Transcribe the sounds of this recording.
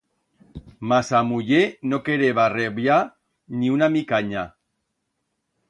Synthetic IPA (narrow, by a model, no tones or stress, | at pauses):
masamuʎenokeɾeβareβja | niunamikaɲa